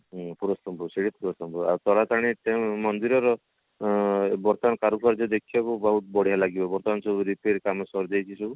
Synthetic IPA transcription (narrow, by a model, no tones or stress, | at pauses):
puɾɔsɔmbuseɽit̪̚puɾɔsɔmbɔa̰ɾt̪ɔɾat̪aɽ̃iʈemmɔnd̪iɾɔɾɔ | bɔɾt̪ɔankaɾukɔɾd͡ʒɔd̪ekʰibakubɔɦut̪bɔɽ̤ʱijalaɡibabɔɾt̪ɔansubuɾipeɾkamɔsɔɾd̪ejt͡ʃʰisubu